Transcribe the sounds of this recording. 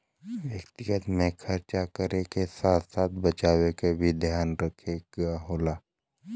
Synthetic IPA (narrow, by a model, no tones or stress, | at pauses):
wjɐkt̪ɪɡət̪mẽxʰɐɾt͡ʃakəɾekesaːt̪ʰsaːt̪̚ʰbɐt͡ʃaːwekebʱid̪ʱjaːnɾəkʰeɡaɦoːlaː